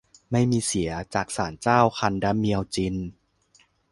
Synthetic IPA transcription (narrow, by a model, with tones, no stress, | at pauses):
ma˥˩jmiː˧si˩˦ɐt͡ɕaː˨˩k̚saː˩˦nt͡ɕaː˥˩wxʰa˧ndaː˦˥mːi˧əwt͡ɕi˧n